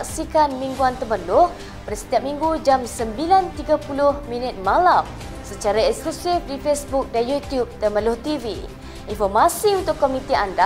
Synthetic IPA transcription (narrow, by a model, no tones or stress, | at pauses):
ksikanmiŋɡuant̪əməlʊh | paɾəsə̥t̪iap̚mĩŋɡud͡ʒamsəmbilant̪iɡapulʊhmĩnət̪̚mãlam | sət͡ʃaɾaɛsklusɪfdifesbuk̚danjut̪jup̚t̪əmə̃nlʊht̪ivḭ | infɔrmasiunt̪ʊkːomĩt̪ianda